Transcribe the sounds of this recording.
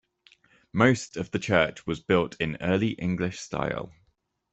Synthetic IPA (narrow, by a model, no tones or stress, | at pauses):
məʊstʰəvðət͡ʃʰɜˑt͡ʃwɒzbɪlˠtʰɪ̃nɜːliʔɪ̰̃ŋɡlɪʃsta̰ɪlˠ